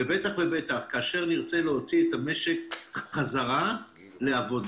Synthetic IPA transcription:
ebet̪aχve̞be̞t̪aχkaːʃe̞ʁniʁt͡seleɦo̞t͡siet̪ame̞ʃekχazaʁa | le̞avo̞d

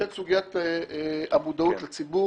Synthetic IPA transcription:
etsuɡijat̪ | amud̪aut̪lat͡sibu

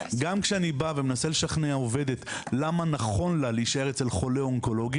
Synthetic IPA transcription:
ɡamkʃeanibavemenasele̞ʃaχneaove̞d̪et̪lamanaχo̞nlaleiʃae̞ʁet͡se̞lχo̞leo̞ŋko̞lo̞ɡ

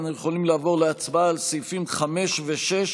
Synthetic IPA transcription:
njeχolimlaːvoʁleat͡sbalsifimχameʃveʃeʃ

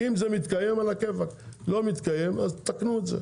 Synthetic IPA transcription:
imzemit̪kaje̞malakevaklo̞mit̪kaje̞mazt̪aknuetzḛ

